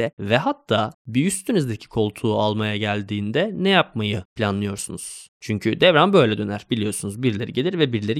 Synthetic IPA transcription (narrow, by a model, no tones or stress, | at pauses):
ɛvɛɦat̪ʰːaːbiyst̪ʰynyzd̪ecʰi̥kʰo̞lˠt̪ʰuːalˠmajaɟælʲd̪iːnd̪ɛnɛjap̚majɯpʰlʲanlˠɯjo̞ɾsunuz̥ | t͡ʃʰyɲcʰyd̪ɛvɾanbø̞jlʲɛd̪ø̞næɾbilʲijo̞ɾsunuzbiɾlʲe̞ɾiɟelʲiɾvɛbiɾlʲe̞ɾi